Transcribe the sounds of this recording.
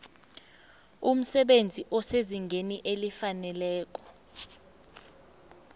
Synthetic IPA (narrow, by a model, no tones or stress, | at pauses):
um̩sɛɓend͡zʱiʔɔseziŋɡʱeniʔelifanɛlɛːk̬ʼɔ̥